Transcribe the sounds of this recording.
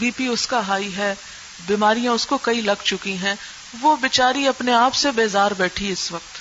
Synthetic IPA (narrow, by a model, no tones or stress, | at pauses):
biːpiʊskaɦaːiɦɛ | biːmaːɾijãʊskokɐilɐɡʱt͡ʃʊkiɦɛ̃ː | ʋobɪt͡ʃaːɾiɐpneaːpsebeːzaːɾbɛːʈʰiɪsʋɐq̚t̪